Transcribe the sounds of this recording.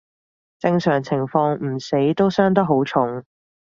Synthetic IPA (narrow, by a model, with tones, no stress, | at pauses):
t͡sɪ˧ŋsœː˨˩ŋt͡sʰɪ˨˩ŋfɔː˧ŋm̩˨˩se˨˥jt̪o˥wsœː˥ŋt̪̬ɐ˥k̚ɦo˨˥wt͡sʰʊ˨˥ŋ